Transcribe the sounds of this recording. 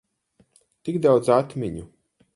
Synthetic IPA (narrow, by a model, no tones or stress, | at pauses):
t̪iɡd̪awd̪zat̪mʲiɲu